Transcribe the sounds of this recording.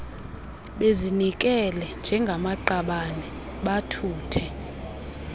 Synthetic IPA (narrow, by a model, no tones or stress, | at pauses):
ɓezinik̬ʼɛlɛnd͡ʒʱɛŋɡʱamaǃaɓanɛ | ɓatʰuːtʰɛ